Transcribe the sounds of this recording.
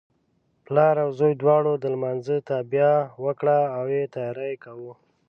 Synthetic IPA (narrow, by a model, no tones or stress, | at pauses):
plɑɾawzojd̪wɑɽod̪əlmanzət̪ɑbjawəkɽaːwjet̪ɑjɑɾajekawu